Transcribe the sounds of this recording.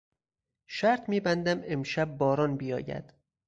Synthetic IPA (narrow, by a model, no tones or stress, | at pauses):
ʃæɾt̪ʰmiːbænd̪æme̞mʃæb̚ːɒːɾɒːnbijɒ̰ːjæ̰d̪̥